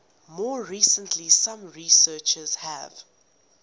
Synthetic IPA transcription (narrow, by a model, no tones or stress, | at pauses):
mɔːɹiːsə̃ntʰlisãmɹisɜːˑt͡ʃəz̥hə̰v̥